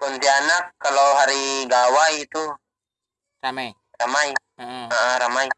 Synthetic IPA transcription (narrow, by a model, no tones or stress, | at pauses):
pɔnt̪ianakːaloɦaɾiɡawait̪u | ramai | ramai | aʔaɾamai